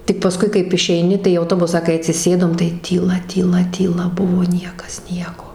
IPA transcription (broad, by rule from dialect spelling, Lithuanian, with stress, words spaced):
tʲɪk pɐˈskʊɪ kɐɪp ɪʃʲɛɪˈnʲɪ tɐɪ iː ɐʊˈtoːbʊsɑː kɐɪ ɐtʲsʲɪˈsʲeːdoːm tɐɪ tʲiːˈlˠɐ tʲiːˈlˠɐ tʲiːˈlˠɐ ˈbʊʋoː ˈnʲiɛkɐs ˈnʲiɛkoː